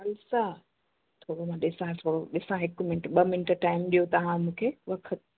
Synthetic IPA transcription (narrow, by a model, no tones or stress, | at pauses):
ɐlsa | t̪ʰoːɽomãɗɪsãt̪ʰoːɽoɗɪsãɦɪkʊmɪnʈɓɐmɪnʈʈaːɪmɗijot̪ɐʋ̤ãmũːkʰeʋɐkʰət̪̚